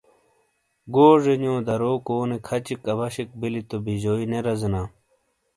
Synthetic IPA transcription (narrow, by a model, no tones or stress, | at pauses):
ɡoːʐeɲõːd̪ɐɾoːkoːnekʰɐt͡ɕikːɐβɐɕik̚bilit̪obiʑoineɾɐzina